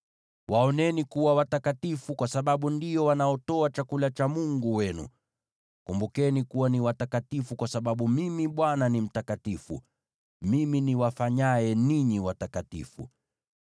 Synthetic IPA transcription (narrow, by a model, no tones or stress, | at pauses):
waɔnɛnikuwawatakatifukwasaɓaɓundijɔwanaɔtɔat͡ʃakulat͡ʃamuŋɡuwɛnṵ | kumbukɛnikuwaniwatakatifukwasaɓaɓumimiɓwananim̩takatifṵ | miminiwafaɲaɛniɲiwatakatḭfṵ